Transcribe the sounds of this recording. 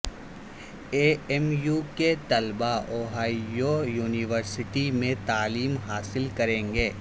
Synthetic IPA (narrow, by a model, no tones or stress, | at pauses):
eːɛmjuːket̪ɐlbaoːɦaːiojuːnɪʋəɾsɪʈimẽt̪aːliːmɦaːsɪlkɐɾẽːŋɡeː